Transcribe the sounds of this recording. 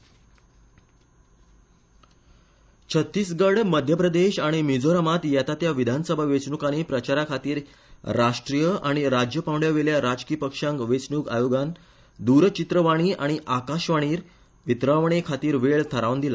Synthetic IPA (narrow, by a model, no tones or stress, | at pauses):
t͡ɕʰət̪ːiːsɡəɽməd̪ʱjəpɾəd̪eɕaɽ̃imid͡zoɾəmat̪jɛt̪at̪jaʋid̪ʱansəbʱaʋet͡sɳukanipɾət͡ɕaɾakʰat̪iːɾ | ɾaʂʈɾijəʔaɽ̃iɾad͡ʑjəpawɳɖjaʋeɭjaɾad͡ʑkiːpəkʂãŋkʋet͡sɳuka̰joɡan | d̪uɾt͡ɕit̪ɾəʋaɽ̃iːʔaɽ̃iʔakaɕʋaɽ̃iːɾ | ʋit̪ɾaʋɳ̃ekʰat̪iːɾʋeɭt̪ʰəɾaʋnd̪ila